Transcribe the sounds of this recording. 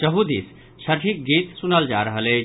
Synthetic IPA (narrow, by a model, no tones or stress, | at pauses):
d͡ʒəɦud̪is | ʃəɾʈʰik̚ɡit̪sunəld͡ʒaɾəɦəle